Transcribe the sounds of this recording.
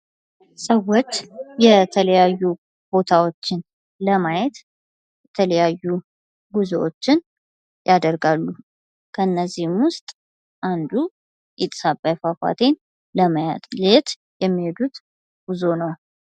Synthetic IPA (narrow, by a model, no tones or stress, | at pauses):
səwot͡ʃːjɛt̪ʰələjajːu | b̥o̞t̪ʰawo̞t͡ʃːɪn | ləmajɛt̪ | jɛt̪ʰələjajːu | ɡuzoʔot͡ʃːɪn | jad̪əɾɡalːu | kʰəɨnːəzːihmwʊst̪ʼ | ʔand̪u | ʔit̪ʼsabajfafa̰t̪ʰe̞n | ləməjat̪ʼlet̪ | jɛmːihe̞d̪ut̪ | ɡ̥uzo̞nəw